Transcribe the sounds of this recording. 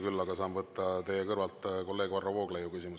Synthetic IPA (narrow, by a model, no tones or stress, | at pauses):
kylːɑɡ̥ɑsɑːmvɤt̪ːˑɑt̪e̞jekɤrvɑlt̪ˑko̞lːe̞ːɡ̥vɑrːovo̞ːɡ̥lejukysimu